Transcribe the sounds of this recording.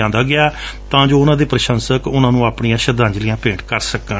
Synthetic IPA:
ãːnd̪aːɡɪaːt̪ãːd͡ʒoːʊnãːd̪eːpɾəʃə̃nsəkʊnãːnũːaːpɳijãːʃəd̪ãːɲd͡ʒlɪjãːpẽːʈkəɾsəkə

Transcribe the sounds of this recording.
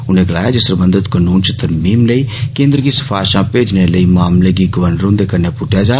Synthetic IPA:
ʊnẽɡɐla̰ːjad͡ʒesəɾbə̃nd̪əd̪kənuːnt͡ʃt̪ɐɾmiːmleikẽːnd̪ɾkisə̥fʰaːʃãpeːd͡ʒneləimaːmleɡiɡəʋənɾõːd̪ekɐɾnepʊʈjad͡ʒaː

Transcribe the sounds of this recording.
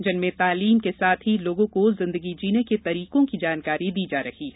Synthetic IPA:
d͡ʒɪnmẽt̪aːliːmkesaːt̪ʰɦiloːɡõkozɪ̃nd̪əɡid͡ʒiːneket̪ɐɾiːqõkid͡ʒaːnkaːɾid̪iːd͡ʒaːɾɐhiɦɛ

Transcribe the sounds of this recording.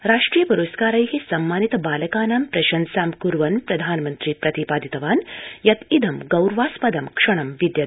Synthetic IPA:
ɾaːʂʈɾiːjɐpuɾuskaːɾɐjɦisɐmːaːnit̪baːlɐkaːnaːmpɾɐʃɐnsaːmkuɾʋɐnpɾɐd̪ʱaːnmɐnt̪ɾiːpɾɐt̪ipaːd̪ʱit̪ɐʋaːnjɐt̪id̪ʱɐmɡɐwɾʋaːspɐd̪ɐmkʂɐɳ̃ɐmʋid̪jɐt̪

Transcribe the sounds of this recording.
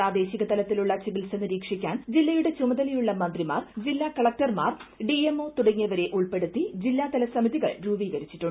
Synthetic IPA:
aːd̪e̞ːɕiɣɐt̪ɐlɐt̪ːiluɭːɐt͡ɕiʋilsenːiɾiːkʂikʲːaːnd͡ʑilːɐjuɽe̞t͡ɕumɐd̪ɐlijuɭːɐmɐnd̪rima̰ːrd͡ʑilːaːkɐɭɐk̚ʈɐrmaːrɖiemo̞ːt̪uɽɐŋːijɐʋɐɾe̞ʔuɭpe̞ɽut̪ːid͡ʑilːaːt̪ɐlɐsɐmiðiɣɐɭɾuːbiːɡɐɾit͡ɕːiʈːuɳɖ

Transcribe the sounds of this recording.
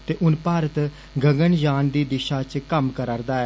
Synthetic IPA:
t̪eːʔʊnpaːɾət̪ | ɡəŋɡəɳd͡ʒaːnd̪iːd̪ɪʃaːt͡ʃkəmkəɾəɾd̪aːɛː

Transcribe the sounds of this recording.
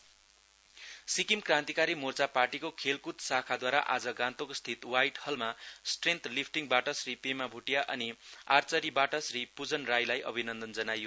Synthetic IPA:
sikimkrãnt̪ikaɾimort͡saparʈikokʰelkut̪sakʰad̪waɾaʔad͡zʌɡãnt̪okost̪ʰit̪wajʈhʌlmasʈrent̪lipʰʈiŋbaʈʌsripemabʱuʈjaʔʌ̰nia̰rt͡sʌɾibaʈʌsripud͡zʌnrajlajʔʌbʱinʌnd̪ʌnd͡zʌnajo

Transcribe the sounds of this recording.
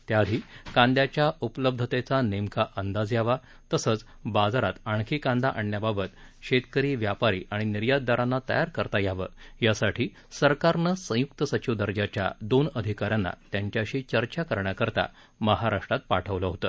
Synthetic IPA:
t̪jaːd̪ʱiːkãnd̪jat͡ɕjaupləb̚d̪ʱət̪et͡sanemkʰaʔənd̪ad͡zjaʋa | t̪əsət͡s | bad͡zaɾat̪aɳkʰiːkãnd̪aʔəɳːjababət̪ɕet̪kəɾiːʋjapaɾḭːʔaɽ̃iniɾjad̪̚d̪aɾanːat̪ə̰jaɾkəɾt̪ajaʋə̰jasaʈʰiː | səɾkaɾnəsə̃jukt̪əsət͡ɕid̪əɾd͡ʑat͡ɕja̰d̪onəd̪ʱikaɾjanːa̰t̪jaɲt͡ɕjaɕiːt͡ɕəɾt͡ɕakəɾɳjakəɾt̪a̰ | məɦaɾaʂʈɾat̪̚paʈʰəʋləɦot̪əː

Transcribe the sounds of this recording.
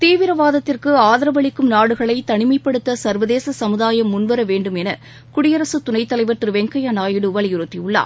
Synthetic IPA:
t̪iːʋɪɾɐʋaːðɐt̪ːɪrkɯaːðɐɾɐʋɐɭɪkːɯmnaːɽɯɣɐɭɐɪt̪ɐɳɪmɐɪpːɐɽɯt̪ːɐsɐɾʋɐðeːsɐsɐmɯðaːjɐmːʊnʋɐɾɐʋeːɳɖɯmɛnɐ | kʊɽɪjɐɾɐsɯt̪ʊnɐɪt̪ːɐlɐɪʋɐɾt̪ɯɾʋɛŋkɐjanaːjɪɽɯʋɐɭɪjɪɾɯt̪ːijʊɭːa̰ː

